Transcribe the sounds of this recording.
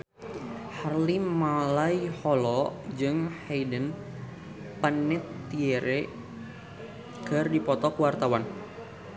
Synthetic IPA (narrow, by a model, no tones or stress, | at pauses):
harlimalajhɔlɔd͡ʒɨŋheidən | pənɪt̪ːieɾʔe | kərdipɔt̪ɔkəwart̪awan